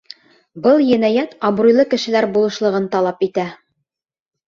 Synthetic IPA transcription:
bɤlˠjɘ̆næjæt̪ɑbɾujlˠɤkɘ̆ʃɘ̆læɾbulˠɤ̆ʃlˠɤ̆ʁɤnt̪ɑlˠɑpit̪æ

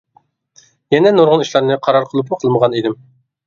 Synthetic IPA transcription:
jɛnɛnoɾʁʊniʃlˠɑɾnɨqʰɑɾɑɾqʰəlˠup̬uqʰəlˠməʁɑnid̪ɪm

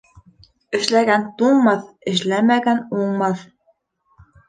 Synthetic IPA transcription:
ɵ̆ʃlæɣænt̪uɴmɑð | ɘ̆ʃlæmæɣænuɴmɑð

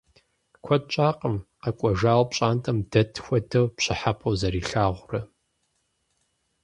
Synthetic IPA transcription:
kʷʰɐt̚t͡ʃʼaːqʼəm | akʷʼɔʒaːwpɕʼaːntʰʼɐmdɐtʰxʷɐdɐwpɕɪħapʰʼowzɐɾiːɬaːʁʷrɐ

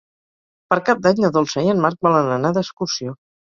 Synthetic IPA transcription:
pəɾkap̚d̪aɲəðəlˠsəjenmaɾk̚bɔlənənaðəskusio

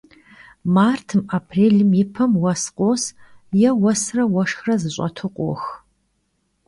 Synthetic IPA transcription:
martʰɨmapʰreːlɨmjɪpʰɐmwɐsqʷʼosjɛwɐsrɐwɐʂxrɐzɨɕʼɐ̰tʰɨqʷʼo̰x

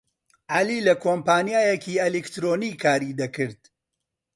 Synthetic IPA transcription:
ʕaliːlɐkʰoːmpaːnijaːjecʰiːelekt̪ɾoːniːkʰaːɾid̪ɐkʰɨɾd̪̥̚

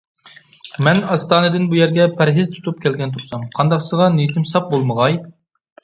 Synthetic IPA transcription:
mɛnɑst̪ɑːnɨd̪ɪnbujɛɾɡʲɛpʰæɾɦɪzt̪ʰu̥t̪ʰup̚kʲʰɛlɡʲɛnt̪ʰuχsɑmqʰɑnd̪ɑqsəʁɑnet̪ʰɪmsɑp̚bolˠməʁɑj

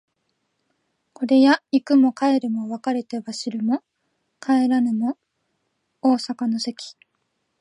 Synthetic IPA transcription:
ko̞ɾe̞jaikɯ̟mo̞kae̞ɾɯ̟mo̞βakaɾe̞t̪eβaɕiɾɯ̟mo̞ | kʰae̞ɾanɯno̞ | oːsakano̞se̞kʲi̥

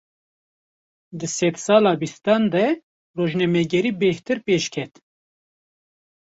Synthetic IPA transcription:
d̪ɨsɛd̪sɑːlɑːbist̪ɑːnd̪ɛ | roːʒnɛmɛɡɛɾiːbeht̪ɨɾpeːʃkʲʰɛt̪

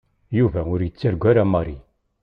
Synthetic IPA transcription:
juvæʊɾjət͡sːəɾɡʷæɾamɑɾi

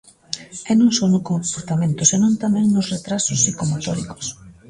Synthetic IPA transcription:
ɛnõŋsɔnʊkopoɾt̪amẽnt̪ʊsenõnt̪amɛ̃ŋnʊsret̪ɾasʊsːikomot̪ɔɾiko̥s

